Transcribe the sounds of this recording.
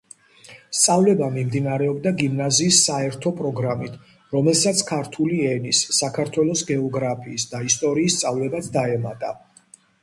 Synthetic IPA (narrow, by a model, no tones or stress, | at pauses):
st̪sʼavlɛbamimd̪inaɾɛɔbd̪aɡimnaziːsːaɛɾt̪ʰɔpʼɾɔɡɾamit̪ʰ | ɾɔmɛlˠsat̪sʰkʰaɾt̪ʰuliɛnisːakʰaɾt̪ʰwɛlˠɔsɡɛɔɡɾapʰiːsd̪aist̪ʼɔɾiːst̪sʼavlɛbat̪sʰd̪aɛmat̪ʼa̰